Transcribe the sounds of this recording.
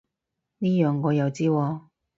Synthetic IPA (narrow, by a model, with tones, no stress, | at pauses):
niː˥jœː˨ŋːɔː˨˧jɐ˨˧wt͡siː˥wɔː˧